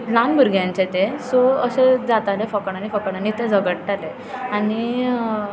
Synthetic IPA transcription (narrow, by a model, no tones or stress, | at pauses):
lanbʱəɾɡjãɲt͡ɕet̪esɔəɕed͡zat̪alefəkəɽ̃anifəkəɽ̃anit̪ẽd͡zʱəɡəʈ̚ʈale | aɽi